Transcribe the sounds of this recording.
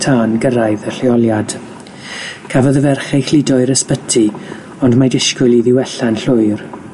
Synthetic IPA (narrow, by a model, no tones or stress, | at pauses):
tʰaːnɡəɾajðəɬɪɔlˠjad̥ | kʰavɔðəvɛrχɛxlɪdɔɨɾəspətʰi | ɔndmadɪʃkʊlˠiðɪwɛɬanɬʊɨr